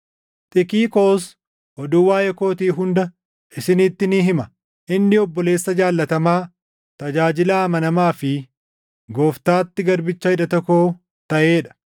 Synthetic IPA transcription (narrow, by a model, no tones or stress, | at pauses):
t̪ʼɪkiːko̞ːs | ʔɔd̪ʊwaːjɛko̞ːt̪iːɦʊnd̪ɐ | ʔɪsɪnɪt̪ːɪnɪɦɪmɐ | ʔɪnːɪɔbːɔle̞ːsːɐd͡ʒaːlːɐt̪ɐmaː | t̪ɐd͡ʒaːd͡ʒɪlɐːmɐnɐmaːfɪ | ɡoːft̪aːt̪ːɪɡɐɾbɪt͡ʃːɐɪᶑɐt̪ɔkːoː | t̪ɐʔeːᶑɐ̥